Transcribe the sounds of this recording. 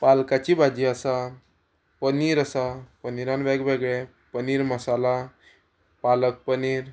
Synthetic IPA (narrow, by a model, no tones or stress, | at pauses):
palkat͡ɕibʱad͡ʑiːəsa | pəniːɾəsapəniɾanʋɛɡʋeɡɭe | pəniːɾməsala | palək̚pəniːɾ